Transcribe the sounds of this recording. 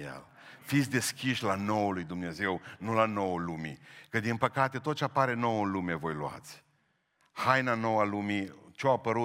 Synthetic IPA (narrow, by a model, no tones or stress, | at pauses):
jḛl | fit̪sʲd̪e̞skʲiʃlanowəlujd̪umne̞ze̞wnulano̞wəlumikəd̪inpəkat̪e̞t̪ot̪̚t͡ʃeapaɾe̞no̞wənlume̞vo̞jlua̰t̪sʲ | hajnano̞walumit͡ʃeoapəɾu